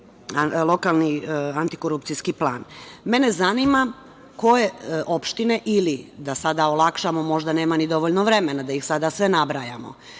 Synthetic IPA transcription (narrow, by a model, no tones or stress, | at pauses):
alˠo̞kalˠniant̪i̥koɾup̚t̪sijskiplˠa̰ːnme̞ne̞zanima | ko̞je̞ʔo̞pʃt̪ine̞ʔilid̪asad̪aolˠakʃamo̞mo̞ʒd̪ane̞ːmanid̪o̞ʋoʎnoʋɾe̞menad̪ajixsad̪asʋe̞nabɾajamo̞̰